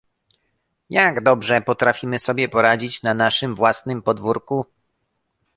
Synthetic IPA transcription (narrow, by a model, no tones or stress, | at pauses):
jaɡd̪ɔbʐɛpɔt̪ɾafʲimɘsɔbʲjɛpɔɾad͡ʑit͡ɕnanaʂɘmvwasnɘmpɔd̪vuɾku